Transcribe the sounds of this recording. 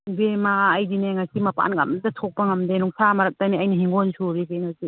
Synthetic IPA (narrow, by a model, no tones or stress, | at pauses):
bemaːjdineŋasimɐpa̰nɡa̰mdatʰɔk̚pɐŋɐmdenuŋsamɐɾɐk̚taniajniɦiŋɡolsuɾikejnazi